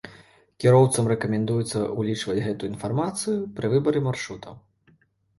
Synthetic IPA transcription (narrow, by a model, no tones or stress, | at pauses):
kʲiɾɔwt̪sɐmrɛkɐmʲɛnd̪ujɛt̪sːɐ̰ulʲit͡ʂvɐd͡zʲɣɛt̪uinfarmat̪sɨjupɾɨvɨbɐɾɨmarʂɾut̪ʰɐ̰w